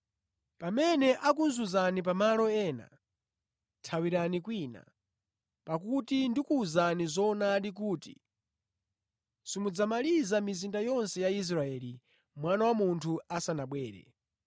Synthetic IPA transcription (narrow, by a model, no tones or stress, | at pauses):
pamɛnɛʔak̬unzuzanip̬amalɔɛːna̰ | tʰawiɾanikwiːna̰ | pak̬utindikuːzanizɔnaɗik̬uːtḭ | simud͡zamalizamizindajɔnsɛjais̬ɾaɛli | mwanawamuntʰuasanaɓwɛːɾɛ̰